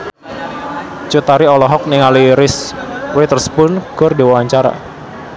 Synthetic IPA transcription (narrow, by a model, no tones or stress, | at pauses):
t͡ʃut̪aɾiɔlɔɦɔk̚niŋaliɾɪswet̪ərspʊnɡ̥ʊrdiwawaɲt͡ʃaɾa̰